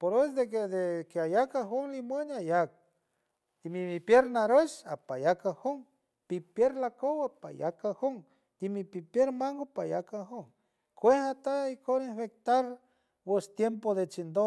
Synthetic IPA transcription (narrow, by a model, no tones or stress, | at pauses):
poɾesd̪eked̪ekeajakaɦoŋlimwanajak̚ | d̪̥imipipjeɾnaɾet͡ʃapajakahoŋ | pipjeɾlakowapa̰ja̰kahoŋ | d̪̥imipipjeɾmaŋɡopajakaɦoŋ | kʷehat̪aikoɾebek̚t̪aɾ | west̪jempod̪et͡ʃind̪o